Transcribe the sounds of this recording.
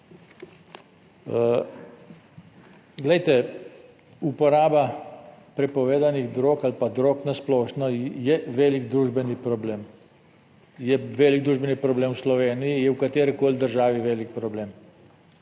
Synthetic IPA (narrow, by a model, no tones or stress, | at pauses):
ɡlɛjt̪ɛ | upɔɾaːbapɾɛpɔʋeːd̪aniɣd̪ɾoːkalpad̪ɾoːknasplɔːʃnɔjɛʋeːliɡd̪ɾuːʒbɛnipɾɔbleːm | jɛʋeːliɡ̚d̪ɾuːʒbɛnipɾɔbleːmwslɔʋeːnijijɛwkat̪eːɾɛkoːld̪əɾʒaːʋiʋeːlik̚pɾɔbleːm